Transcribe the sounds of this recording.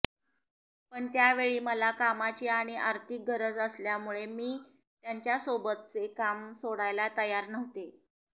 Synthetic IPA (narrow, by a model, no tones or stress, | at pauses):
pəɳt̪jaʋeɭiːməlakamat͡ɕiaɽ̃iʔaɾt̪ʰik̚ɡʱəɾəd͡zəsljamuɭemiː | t̪jaɲt͡ɕjasobət̪̚t͡sekamsoɽajlat̪əjaɾnəʋt̪e